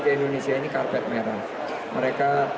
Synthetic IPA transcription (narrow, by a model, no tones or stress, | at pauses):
kaindonesiainikarpɛt̪̚meɾan | məɾeka